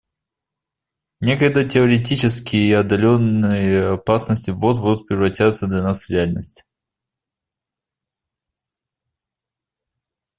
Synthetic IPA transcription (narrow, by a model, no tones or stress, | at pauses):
nʲe̞kəjd̪ətʲɪəɾʲɪtʲit͡ɕɪskʲɪjəiɐd̪ɐlʲonːɨjəɐpasnəsʲtʲɪvot̪̚bud̪ʊt̪̚pɾʲɪvɾɐtʲat̪səd̪lʲɐnasvɾʲɪalʲnəsʲtʲɪ̥